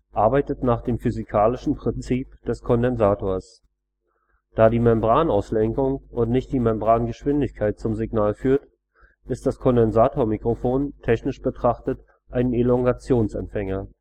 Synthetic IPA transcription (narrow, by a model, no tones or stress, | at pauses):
ʔaɐbaɪtətnaːχd̥eːmfyzɪkʰaːlɪʃn̩pʁ̥ɪnt͡siːpd̥ɛskʰɔndɛnzaːtʰoːɐs | d̥aːdiːmɛmbʁaːnaʊslɛŋkʊŋʊntnɪçt̚d̥iːmɛmbʁaːnɡəʃv̥ɪndɪçkʰaɪt̚t͡sʊmzɪɡnaːlfyːɐt | ʔɪst̚d̥askʰɔndɛnzaːtʰoːɐmikʁ̥ofoːntʰɛçnɪʃb̥ətʁ̥aχtət | ʔaɪnənelɔŋɡat͡sjoːnsɛ̰mpfɛŋɐ